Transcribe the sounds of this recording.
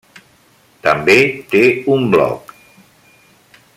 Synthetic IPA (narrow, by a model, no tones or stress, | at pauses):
t̪əmbet̪eumblɔ̰k